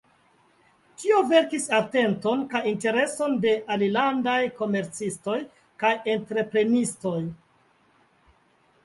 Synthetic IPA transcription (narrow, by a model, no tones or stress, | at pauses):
tio̞ve̞ɾkisate̞nto̞nkajinte̞ɾe̞so̞nde̞ʔalilandajko̞me̞ɾt͡sisto̞j | kajentɾe̞pɾe̞nisto̞j